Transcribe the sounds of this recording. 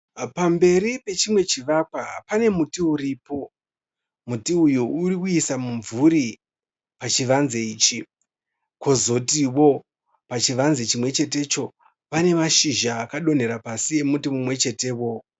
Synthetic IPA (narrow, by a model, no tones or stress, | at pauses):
pambe̞ɾipe̞t͡ʃimwe̞t͡ʃiʋakwapane̞mutiuɾipo̞ | mutiujuːrikuisamuɱvuɾi | pat͡ʃiʋanze̞iːt͡ʃi | ko̞zo̞tiwo̞ | pat͡ʃiʋanzet͡ʃimwe̞t͡ʃe̞te̞t͡ʃo̞ | pane̞maʃiʒaːkaɗo̞n̤e̞ɾapasie̞mutimumwe̞t͡ʃe̞te̞wo̞